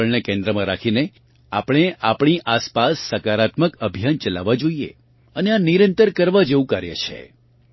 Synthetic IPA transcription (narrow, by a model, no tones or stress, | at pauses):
əɭnekẽnd̪ɾəmãɾakʰine | apɽ̃eʔapɳ̃iʔaspasːəkaɾat̪məkəbʱijant͡ʃəla̰ʋad͡ʒoijḛ | əneaniɾənt̪əɾkəɾʋad͡ʒeũkaɾjḛt͡ʃʰḛ